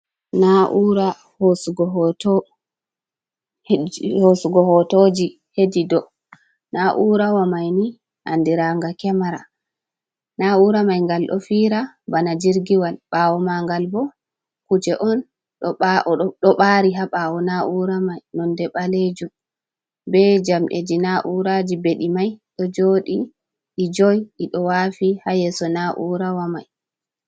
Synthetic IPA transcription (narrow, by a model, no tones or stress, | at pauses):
naʔuɾa | hosuɡɔɦt | hosuɡɔhɔtod͡ʒi | hedidɔ | naʔuɾawamajni | ʔa̰ndiɾaŋɡakɛmaɾa | nauɾamajŋɡalɗɔ̰fiːɾa | banad͡ʒiɾɡiwalɓawɔmaŋɡalbɔ | kut͡ʃɛʔɔn | ɗɔɓaɾiɦaɓawɔnaʔuɾamajnɔndɛɓaled͡ʒum | bɛd͡ʒamʔḛd͡ʒinaʔuɾad͡ʒibeɗimajɗɔd͡ʒoɗi | ʔid͡ʒɔjʔiɗɔwafihajɛsɔnaʔuɾawama̰j